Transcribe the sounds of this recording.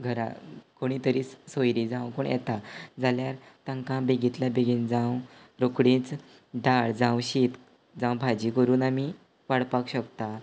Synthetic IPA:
ɡʱəɾa̰koɽ̃iːt̪əɾiːssojɾid͡zãwkoɳjɛ̰t̪ad͡zaljaɾt̪ãŋkãbeɡit̪labeɡind͡zãw | ɾokɽĩːt͡s | ɖʱaɭd͡zãwɕit̪ | d͡zãwbʱad͡ʑikəɾuːnami | ʋaɽpakɕəkt̪a

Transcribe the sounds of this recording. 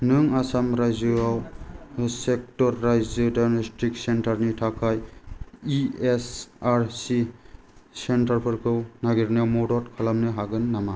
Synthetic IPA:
nɯŋasamɾajzɯaw | sek̚tɔɾːajzɯdajmestʰik̚sentaɾnitʰakʰaj | iesaɾsi | sentaɾpʰɯɾkʰɯwnaɡiɾnawmɔdɔtkʰalamnɯɦaɡɯnːama

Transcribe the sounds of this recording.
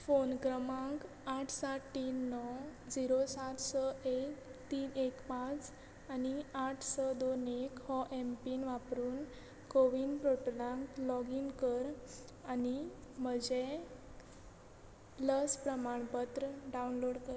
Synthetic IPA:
fonkɾəmãŋk | aʈʰsaʈʈiːnːɔd͡ziɾosat̪səekt̪iːnekpãt͡s | aniaʈʰsəd̪onekhɔʔempiːnʋapɾuːn | koʋiːnpɾoʈlãŋklɔɡinkəɾ | anim̤əd͡ʑe | ləspɾəmaɳpət̪ɾəɖaunloɽkəɾ

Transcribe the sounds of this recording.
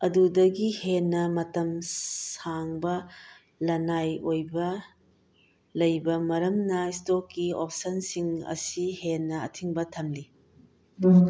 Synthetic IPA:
ɐdudɐɡihenːɐmɐtɐmsaŋbɐ | lɐnajojbɐ | lɐjbɐmɐɾɐmnɐistokːiopʰsɐnsiŋɐ̰sihenːɐ̰ːtʰiŋbɐtʰɐmli

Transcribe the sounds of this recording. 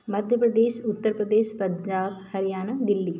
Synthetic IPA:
mɐd̪ʱjɐpɾɐd̪eːʃut̪ːəɾpɾɐd̪eːʃpɐɲd͡ʒaːbhɐɾijaːnɐd̪ilːi

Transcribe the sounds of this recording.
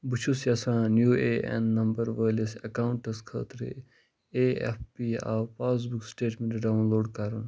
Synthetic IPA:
but͡ʃʰusjɐsãːnjuːeːʔḛnːɐmbɐɾʋəːlɐsɐkawuɳʈɐskʰə̰ːt̪ɾḛ | eḛfpiːa̰ːpaːs̬buksʈeːʈmẽɳʈɖaunloːɖkaɾɐn

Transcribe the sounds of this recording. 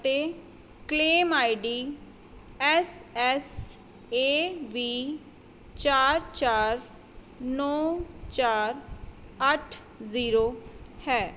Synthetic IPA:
ət̪eː | kleːmaːiɖiː | ɛsɛs | eːʋiː | t͡ʃaːɾt͡ʃaːɾ | nɔːt͡ʃaːɾ | əʈʰ | ziːɾoːhɛː

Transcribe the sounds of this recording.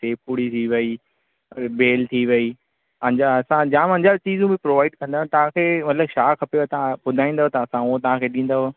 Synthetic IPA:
seːpuɽit̪ʰiʋɐi | beːlt̪ʰiʋɐiː | ɐɲd͡ʑaɐsãd͡ʑãːmɐ̃ɲd͡ʑat͡ɕiːzũbɪ̃pɾoːʋaːɪɖkɐ̃nd̪aːʊ̃nt̪ɐʋ̤ãkʰeːmɐt̪ləbʃaːkʰɐpet̪ɐãbʊd̪ʱaːĩːnd̪aɦot̪ɐɐsãuɦot̪̬ɐʋ̤ãkʰeːɗĩːn̆d̪aɦo

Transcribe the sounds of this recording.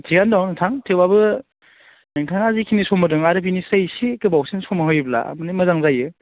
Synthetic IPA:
tʰiɡandɔŋnɯtʰaŋtʰewbabɯ | nɯŋtʰaŋazikʰinisɔmɯdɯŋaɾɯp̬inisɯjsikɯbawsinsɔmaɦɯjbla̰a̰mɯnimɯzaŋzajɯ

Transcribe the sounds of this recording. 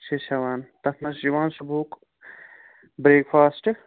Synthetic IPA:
sʰesɐʋaːnt̪ɐt̪ʰnɐsd͡ʒiʋaːnsubʱuːk | bɾeːkpʰaːsʈ

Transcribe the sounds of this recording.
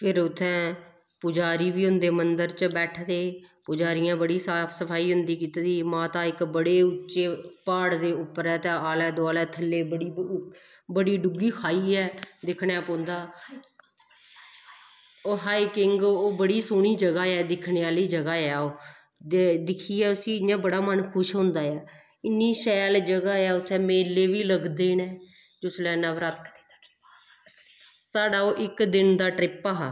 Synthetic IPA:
pʰɪɾʊt̪ʰːɛ̃ː | pʊd͡ʒaːɾiːʋiːɦʊnd̪eːmənd̪əɾt͡ʃbɛːʈʰd̪eːpʊd͡ʒaːɾɪjãːbəɽiːsaːpʰsəpʰaːiːɦʊnd̪iːkiːt̪ːd̪iːmãːt̪ãːɪkbəɽeːʊːt͡ʃeːpaːɽd̪eːʊpːəɾɛːt̪ãːaːlɛːd̪oaːlɛːt̪ʰəlːeːbəɽiː | bəɽiːɖʊɡiːkʰaːiːɛːd̪ɪkʰɳɛːpõːnd̪aː | oːɦaːiːkɪŋɡoːbəɽiːsʊːɳ̃iːd͡ʒəɡaːɛːd̪ɪkʰɳeːaːliːd͡ʒəɡaːɛːoː | ed̪ɪkʰiːɛːʊsĩːɪɲãːbəɽaːmənkʰʊʃɦõːnd̪aːɛː | ɪnːiːʃɛːld͡ʒəɡaːɛːʊt̪ʰːɛ̃ːmeːlːeːʋiːləɡd̪eːnɛ̃ː | d͡ʒʊslɛːnãːʋɾat̪ | saːɽaːoːʔɪkd̪ɪnd̪aːʈɾɪpaːɦaː

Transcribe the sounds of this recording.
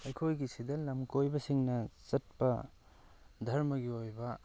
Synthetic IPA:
ɐjkʰojɡisidɐlɐmkojbɐsiŋnɐt͡ʃɐt̚pɐ | dʱɐɾmɐɡiojbɐ

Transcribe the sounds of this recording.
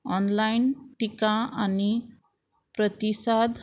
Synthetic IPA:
ɔnlajnʈikaani | pɾʌt̪isad̪

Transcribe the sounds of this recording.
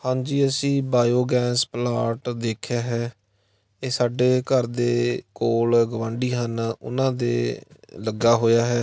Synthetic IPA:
hãːɲd͡ʒiːəsĩːbaːjoːɡɛːsplaːʈd̪eːkʰjaːɦɛː | eːsaːɖeːkəɾd̪eːkoːlɡəʋãːɳɖiːɦənʊ̰nãːd̪ḛːləɡaːɦoːjaːɦɛː

